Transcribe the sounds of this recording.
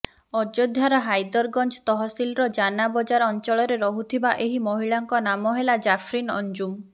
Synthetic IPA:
ɔd͡ʒod̪ʱjaɾɔɦajd̪ɔɾɡɔnt͡ʃt̪ɔɦɔsilɾɔd͡ʒanabɔd͡ʒaɾɔnt͡ʃɔɭɔɾeɾɔɦut̪ʰibaʔeɦimɔɦiɭaŋkɔnamɔɦelad͡ʒapʰɾinɔ̰nd͡ʒum

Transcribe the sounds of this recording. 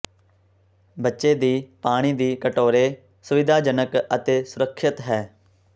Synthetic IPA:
bətːʃeːd̪iːpaːɽ̃iːd̪iːkəʈoːɾeː | sʊʋɪd̪ʱaːd͡ʒənəkət̪eːsʊɾəkʰːət̪ɦɛː

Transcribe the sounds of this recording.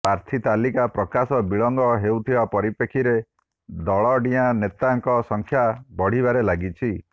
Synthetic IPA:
paɾt̪ʰit̪alikapɾɔkasɔbiɭɔŋɡɔɦewt̪ʰibapɔɾipekʰiɾe | d̪ɔɭɔɖianet̪aŋkɔsɔŋkʰjabɔɽ̤ibaɾelaɡit͡ʃʰi

